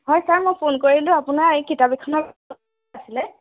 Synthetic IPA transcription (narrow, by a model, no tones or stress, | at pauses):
ɦɔjsaɹmɔjpʰonkoɹilʊ̃apʊnaɹikitabikʰːɔnɔbɔ | asilɛ